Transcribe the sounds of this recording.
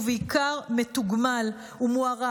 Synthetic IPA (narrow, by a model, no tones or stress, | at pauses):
veikaʁmetuɡmal | umuaʁa